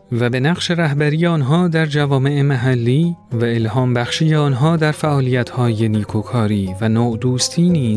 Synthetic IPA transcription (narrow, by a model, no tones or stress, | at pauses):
væbe̞næqʃe̞ɾæɦbæɾiːjeɒnɦɒːd̪æɾd͡ʒævɒːme̞ʔemæɦælːiːvæe̞lhɒːmbæxʃiːje̞ɒnɦɒːd̪æɾfæʔɒːlijæt̪ʰhɒːjeniːkʰokʰɒːɾiːvænoːʔd̪uːst̪ʰiːniː